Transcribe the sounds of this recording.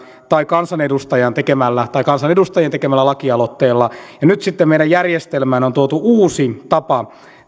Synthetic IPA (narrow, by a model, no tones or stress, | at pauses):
t̪ɑikɑnsɑnedust̪ɑjɑnt̪ekemælːæt̪ɑikɑnsɑnedust̪ɑjent̪ekemælːælɑkiɑlot̪ːeːlːɑjɑnyt̪sit̪ːemmeˑiɾdæjjærjest̪elmæːnont̪uot̪uuːsit̪ɑpɑ